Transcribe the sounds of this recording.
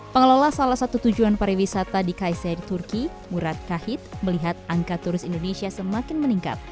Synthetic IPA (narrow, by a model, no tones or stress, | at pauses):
pəŋəlolahsalahsat̪ut̪ud͡ʒuanpaɾiwisat̪adikajsadit̪urki | muɾat̪̚kahɪt̪̚məliɦat̪̚aŋkat̪uɾɪsindonesiasəmakɪnməniŋka̰t̪̚